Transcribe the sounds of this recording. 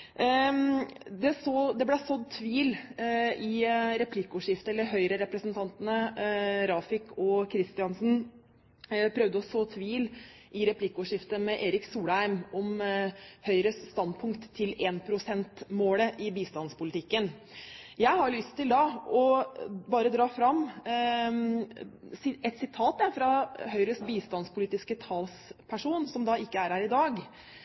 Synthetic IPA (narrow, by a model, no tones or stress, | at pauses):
d̪ɛsoːd̪ɛblæsɔd̪t̪ʰːʋiːl | ɪɾɛpʰlɪkːʊʂɪft̪əɛlːəɾɦœʏɾəɾɛpɾəsənt̪ʰɑnt̪nəɾɑːfɪkɔkʰɾɪst̪ɪɑnsn̩ | pʰɾœʋd̪əɔsoːt̪ʰʋiːl | ʔɪɾɛpʰlɪkːʊʂɪft̪əmɛʔeːɾɪksuːlæɪmɔm | hœʏɾəsːt̪ɑnd̪pʰʊŋkt̪ʰːɪleːnpʰɾʊsɛnt̪moːləʔɪbiːst̪ɑnspʊlɪt̪ʰɪkːən | jæɪhɑɾlʏst̪ʰːɪld̪ɑɔbɑːɾəd̪ɾɑːfɾɑmː | ɛt̪sɪt̪ʰɑːt̪̚d̪æɾfɾɑhœʏɾəsbiːst̪ɑnspʊliːt̪ɪskət̪ʰɑlspʰæʂuːnsɔmd̪ɑɪkːəæɾhæːɾɪd̪ɑːɡ